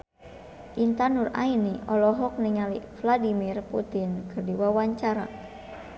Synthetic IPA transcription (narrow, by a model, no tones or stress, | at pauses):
ʔint̪anura̰iniʔɔlɔɦɔk̚niŋalifladimirput̪inkɨrdiwawaɲt͡ʃaɾa̰